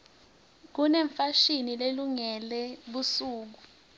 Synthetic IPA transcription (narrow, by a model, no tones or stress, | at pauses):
k̬unɛɱfaʃinileluŋɛlɛɓusuːk̬u